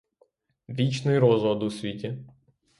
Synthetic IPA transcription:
ʋʲit͡ʃnɪjɾɔzɔd̪usʲʋʲitʲi

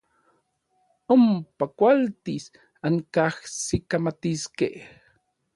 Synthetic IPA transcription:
ompakʷalt̪is | aŋkahsikamat̪iskḛh

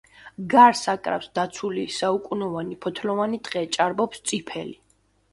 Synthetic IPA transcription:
ɡaɾsakʼɾa̰fsd̪at̪sʰulisaukʼunɔvanipʰɔt̪ʰlɔvanid̪̥ʁɛt͡ʃʼaɾbɔpst̪sʼipʰɛli

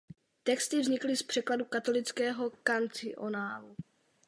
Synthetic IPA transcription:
t̪ɛkst̪ɪvzɲɪklɪspr̝̥ɛkladukat̪o̞lɪt͡skɛːɦo̞kant͡sɪʔo̰naːlu

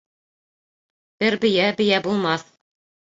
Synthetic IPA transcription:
b̪̥ɘɾbɘ̆jæbɘ̆jæbulˠmɑθ

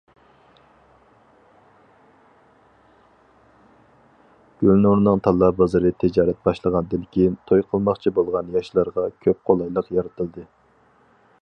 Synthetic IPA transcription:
ɡ̥ʲølnoɾnɨŋt̪ʰɑlˠːɑbɑzɨɾɨt̪ʰɪd͡ʒɑːɾɛt̪̚bɑʃlˠəʁɑnɨd̪ɪnkʲʰint̪ʰojqʰəlˠmɑχt͡ʃʰibolˠʁɑnjɑʃlˠɑɾʁɑkʲʰøp̚qʰolˠɑjlˠəqjɑɾɨt̪ʰɨlˠd̪ɨ

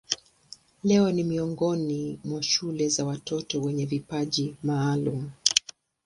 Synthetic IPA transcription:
lɛɔnimiɔŋɡɔnimwaʃulɛzawatɔtɔwɛɲɛvipaʄimaːlum̩

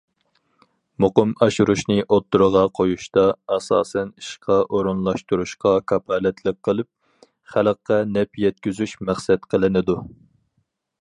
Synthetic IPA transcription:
moqʊmɑʃuɾuʃnɨʔot̪ːuɾəʁɑqʰojuʃt̪ɑɑsɑ̰ːsɛniʃqʰɑʔoɾunlˠɑʃt̪uɾuʃqɑkʰɑpʰɑːlɛt̪ʰlək̚ʲqʰːəlˠɨp̚ | χæləqːɛnɛpjɛt̪̚kʲyzyʃmæχsɛt̪qʰəlˠɨnɨd̪u

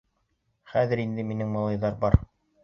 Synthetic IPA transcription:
χæðɘ̆ɾind̪ɘminɘŋmɑlˠɑjðɑɾbɑɾ

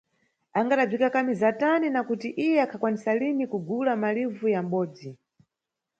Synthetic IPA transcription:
aŋɡaɗab͡ʐikakamizataninakutiʔijɛakʰakwanisalinikuɡulamalivujam̩ɓɔːd͡zi

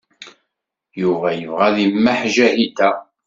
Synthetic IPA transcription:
juvæjəvʁæðimːaħʒæhit̪æ

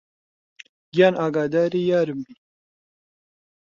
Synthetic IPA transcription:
jaːnʔaːɡaːd̪aːɾiːjaːɾɨmbi

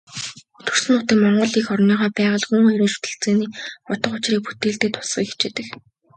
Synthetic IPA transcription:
ɵt̪ɵ̆r̥sɘ̆nʊt̪iːkmɔɴɢɞ̆ɮiːxɔrniːʁaːpæːʁə̆ɮxuŋajɾeːnʃu̥t̪ɘ̆ɬt͡seːniːpʊt̪ɞ̆qʊt͡ɕriːk̚put̪eːɮt̪eːt̪ʰʊ̥sχḭːki̥t͡ɕeːt̪ɘ̆k

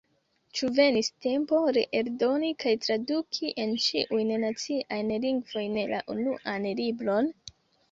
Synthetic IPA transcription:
t͡ʃuve̞niste̞mpo̞ɾe̞ʔeɾdo̞nikajtɾadukʰiʔent͡ʃiʔujnnat͡siʔajnliŋɡv̥o̞jnla̰ʔunuʔanlibɾo̞n

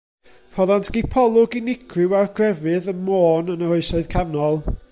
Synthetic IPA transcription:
r̥ɔðantʰɡ̥ipʰɔlˠʊɡinɪkʰrɪwarɡrɛvɨðənmoːnənəhɔɨsɔɨðkʰanɔlˠ

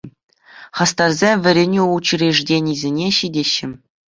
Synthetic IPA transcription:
χɑst̪ɑrzʲemʲʋʲɘ̆ɾʲenʲiut͡ɕirʲeʐdʲenʲizʲenʲeɕidʲeɕːɘ̆

